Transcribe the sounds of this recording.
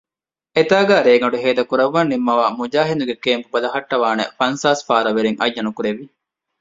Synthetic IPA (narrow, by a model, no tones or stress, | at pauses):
et̪aːɡaːɾeːɡɐɖuɦeːd̪ɐkuɾɐʋːɐnːimːɐʋaːmud͡ʒaːɦend̪uɡekeːmpubɐlɐɦɐʈːɐʋaːnḛfɐnsaːsfaːɾɐʋeɾeŋʔɐjːɐnukuɾeʋi